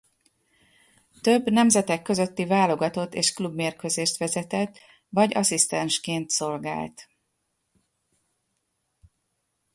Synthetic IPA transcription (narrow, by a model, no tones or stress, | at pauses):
t̪ø̞bnɛmzɛt̪ɛkːø̞zø̞t̪ːivaːlo̞ɡɒt̪o̞t̪ːḛːʃklubmeːrkøzeːʃt̪ʋɛzɛt̪ɛt̪ː | vɒɟɒ̰sist̪ɛnʃkeːnt̪so̞lɡa̰ːlt̪